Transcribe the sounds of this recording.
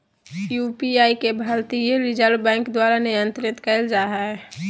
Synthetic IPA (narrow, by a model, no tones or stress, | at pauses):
jupiaːikebʱəlt̪ijeɾɪd͡ʒəlbɛ̃ːŋkd̪waɾanɪjə̃nt̪ɾɪt̪kɛld͡ʒaɦaɛ